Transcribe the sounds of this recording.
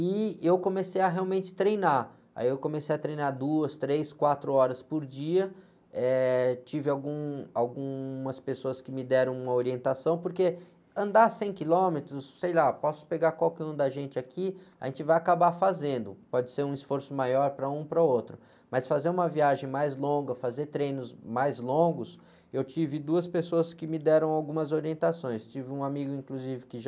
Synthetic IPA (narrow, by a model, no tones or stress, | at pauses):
ɪewkõmesejɐɦeawmẽnt͡ʃɪ̥t̪ɾejna | a̰iewkõmesejɐt̪ɾejnaɾd̪uɐst̪ɾejskwat̪ɾʊɔɾɐspoɾd͡ʒiɐ | ɛt͡ʃivɪawɡũawɡũmɐspesoɐskɪmɪd̪ɛɾɐ̃w̃ũmɐoɾiẽnt̪asɐ̃w̃poɾke | ɐ̃nd̪asẽj̃kilõmet̪ɾʊsːejlapɔsʊ̥peɡakwawkɛũd̪ɐʒẽnt͡ʃɪakʰia̰ʒẽnt͡ʃɪvajakabafazẽnd̪ʊpɔd͡ʒɪseɾũisfoɾsʊmajɔɾpɾɐũpɾɐot̪ɾʊ | mɐsfazeɾũmɐviaʒẽj̃majzlõɡɐfazeɾt̪ɾẽjnʊsmajzlõɡʊs | ewt͡ʃivɪd̪uɐspesoɐskɪmɪd̪ɛɾɐ̃w̃awɡũmɐzoɾiẽnt̪asõj̃st͡ʃivɪũamiɡʊĩŋkluzivɪkɪʒ